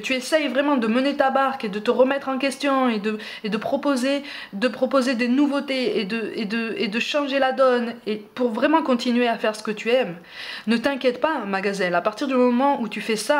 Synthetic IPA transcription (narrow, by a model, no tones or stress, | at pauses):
t̪yesɛjvʁɛmɑ̃d̪əmənet̪abaʁked̪ət̪əʁəmɛt̪χɑ̃kʲɛst̪jɔ̃ed̪ə | ed̪əpχɔpoze | d̪əpχɔpozed̪enuvot̪eed̪əed̪əed̪əʃɑ̃ʒelad̪ɔnepuʁvʁɛmɑ̃kɔ̃t̪inɥeafɛʁsə̥kət̪yɛm | nət̪ɛ̃kʲjɛt̪pamaɡazɛlapaʁt̪iʁd̪ymɔmɑ̃ʔut̪yfɛsa